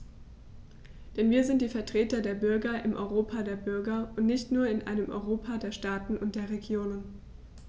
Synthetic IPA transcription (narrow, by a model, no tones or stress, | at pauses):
d̥ɛnviːɐzɪnt̚d̥iːfɛɐtʁ̥eːtɐdeːɐbʏɐɡɐʔɪmʔɔ̰ʏʁoːpʰadeːɐbʏɐɡɐʊntnɪçtnuːɐɪnʔa̰ɪnəmʔɔ̰ʏʁoːpʰadeːɐʃtaːtn̩ʊnt̚d̥eːɐʁeɡjoːnən